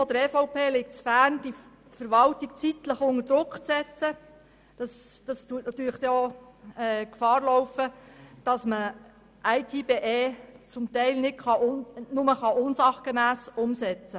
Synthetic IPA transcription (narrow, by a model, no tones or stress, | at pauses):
fɔd̪əɾɛfɔʊpʰeːlɪk̚t͡sfæɾnd̥i | fəɾʋɑltik̚t͡sit̪ləχʊŋəɾd̥ɾʊkχt͡sɛt͡sə | d̥ɑsd̥ɑstuətnɑt̪yːɾləχd̥̪ɛɔɛːkfɑːrlɔwfəd̥ɑsmə | ʔæɪt̪ʰiːbeːʔeːt͡sʊmt̪ɛɪlnɪtχɑʔnʊməχɑʔʊnsɑχɡ̥emæːsʊmsɛt͡sə